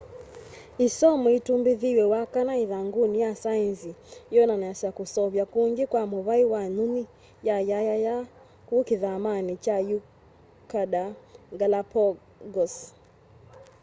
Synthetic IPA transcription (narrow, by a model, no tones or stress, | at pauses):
isɔmɔitumbiðiwɛwakanaiðaŋɡunijasainzijɔnanaasakusɔβjakuŋɡikwamuβaiwanuni | jajajaja | kukiðamanit͡ʃaju | kaɗaɡalapɔ | ɡɔs